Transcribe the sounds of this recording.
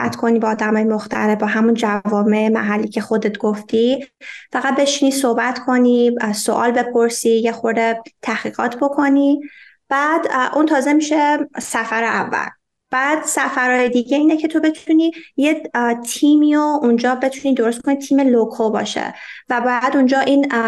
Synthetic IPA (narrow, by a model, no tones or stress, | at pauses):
æ̰t̪kʰo̞niːbeːd̪æmɒːjemoxt̪ʰæ̰ɾebɒːɦæmund͡ʒævɒːme̞emæ̰ɦælːiːcʰe̞xo̞d̪e̞t̪ɡ̥oft̪ifæɣæt̪̚be̞ʃiniːsohbæt̪kʰo̞niso̰ʔɒ̰ːlbe̞pʰo̞ɾsijexo̞ɾd̪et̪ʰæhɣ̥iːɣɒ̰ːt̪ʰbo̞kʰo̞ni | b̥æːd̪ʔunt̪ʰɒːze̞miʃe̞sæfæɾeævːæ̰l | b̥æːd̪̥sæfæɾɒːjed̪iːɟeiːnecʰe̞t̪ʰo̞be̞t̪ʰunijet̪ʰiːmiːound͡ʒɒːbe̞t̪ʰunid̪o̞ɾost̪kʰonit̪ʰiːme̞lokʰobɒ̰ːʃḛvæbɒːjæd̪und͡ʒɒːʔiːn